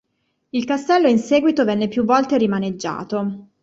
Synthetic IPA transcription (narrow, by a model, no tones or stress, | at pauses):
ilkast̪ɛlːoinseːɡwit̪ovɛnːepjuvːɔlt̪eɾimaned͡ʒːa̰ːt̪o